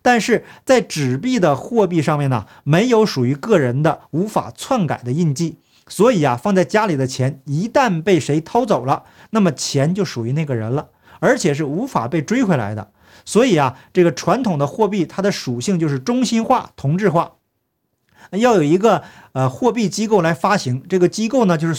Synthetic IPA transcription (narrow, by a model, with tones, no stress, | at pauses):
t̪a˥˧nʂɻ̩˥˩t͡sa˥˩ɪʈ͡ʂɻ̩˨˩pi˥˩d̪ə˩xwɔ˥˧pi˥˧ʂɑ˥˧ŋmjɛ˥˩nə̰˩ | me˧˥ɪjo˧˥ʊʂu˨˩y˧˥kɤ˥˩ɻə˧˥nd̪ə˧u˧˥fa̰˨˩t͡sʰwa˥˩nka̰˨˩ɪd̪ə˦i˥˧nt͡ɕi˥˩ | swɔ˧˥i˨˩ɐ˦fɑ˥˧ŋt͡sa˥˩ɪt͡ɕja˥li˨˩d̪ə˦t͡ɕʰjɛ˧˥ni˧˥t̪a˥˧npe˥˩ɪʂe˧˥ɪt̪ʰɑ˥ʊt͡so˨˩ʊlə˦ | na˥˩mə˩t͡ɕʰjɛ˧˥nt͡ɕjo˥˩ʊʂu˨˩y˧˥na˥˩ɪɡə˩ɻə̰˧˥nlə˧ | ə˞˧˥t͡ɕʰjɛ˨˩ʂ̬ɻ̩˥˩u˧˥fa̰˨˩pe˥˩ɪʈ͡ʂwe˥ɪkʰwe˧˥la̰˧˥ɪd̪ə̰˧ | swɔ˧˥i˨˩ɐ˦ʈ͡ʂɤ˥˩ɡə˩ʈ͡ʂʰwa˧˥nt̪ʰʊ˨˩ŋd̪ə˦xwɔ˥˧pi˥˩t̪ʰa˥d̪ə˨ʂu˨˩ɕi˥˧ŋt͡ɕjo˥˧ʊʂɻ̩˥˩ʈ͡ʂʊ˥ŋɕi˥nxwa̰˥˩t̪ʰʊ˧˥ŋʈ͡ʂɻ̩˥˧xwa˥˩˧ | jɑ˥˩ʊjo˨˩ʊi˧˥ɡə˧ | ə˧xwɔ˥˧p̬i˥˩t͡ɕi˥ko˥˩ʊla˧˥ɪfa˥ɕi˧˥ŋʈ͡ʂɤ˥˩ɡə˩t͡ɕi˥ko˥˩ʊnə˩t͡ɕjo˥˧ʊʂɻ̩˥